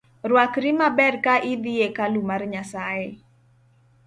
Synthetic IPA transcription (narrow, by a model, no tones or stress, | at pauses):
rwakɾimabɛrkaʔid̪iekalumarɲasae